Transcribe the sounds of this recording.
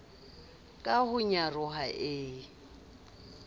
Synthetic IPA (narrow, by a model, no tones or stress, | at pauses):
kʼahʊɲarʊɦaʔɪː